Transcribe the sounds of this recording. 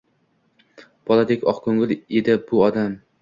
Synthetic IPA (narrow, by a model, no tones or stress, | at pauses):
b̥ɒlad̪ekʲɒqkʰɵŋɪled̪ɪbʊɒd̪am